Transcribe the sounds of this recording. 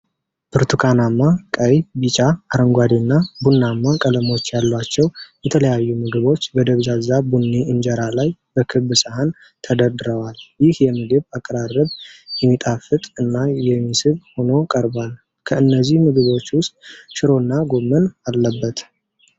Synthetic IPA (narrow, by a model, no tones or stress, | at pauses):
b̥ɨɾt̪ʰukʰanamːakʼəjbit͡ʃʼaːɾəŋɡʷad̪inːabunːamːakʼələmo̞t͡ʃːjalːwat͡ʃːɛwjɛt̪ʰələjajːumɨɡɨβo̞t͡ʃːbəd̪əβd͡ʒazabunːiɨnd͡ʒɛɾalajbəkʰɨbːɨsʼəhan | t̪ʰəd̪əd̪ɾəwaljɪhjɛmɨɡɨβakʼːəɾarːəβjɛmːit̪ʼafɨt̪ʼɨnːajɛmːisɨβho̞no̞kʼəɾbal | kʰəɨnːəzːihmɨɡɨβo̞t͡ʃːwʊst̪ʼʃɪɾo̞nːaɡo̞mːənalːəbːət̪